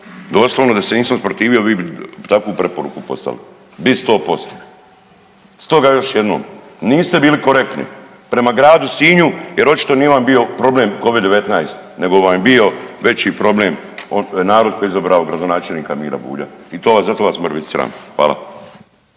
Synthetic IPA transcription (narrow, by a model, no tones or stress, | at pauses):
d̪o̞ːslˠoʋnod̪aseniːsamspɾot̪iːʋio̞ʋiːbit̪akʋupɾe̞po̞ɾṵkupo̞̰st̪a̰li | bist̪oːpo̞st̪o̥ | st̪o̞ɡajo̞ʃje̞d̪no̰ːmniːst̪ebiːliko̞ɾe̞k̚t̪nḭ | pɾe̞maɡɾaːd̪usiːɲujeɾo̞t͡ʃi̥t̪o̞nijeʋambio̞pɾo̞bleːmko̞ʋid̪ːe̞ʋe̞t̪najst̪ne̞ɡo̞ʋambio̞ʋe̞t͡ʃipɾo̞bleːmonaːɾod̪̚kojeizabɾaoɡɾad̪o̞naːt͡ʃelniːkamḭːɾa̰bṵːʎa̰ | it̪oʋaszat̪oʋasməɾʋit̪sɾa̰ːnxʋa̰ːla̰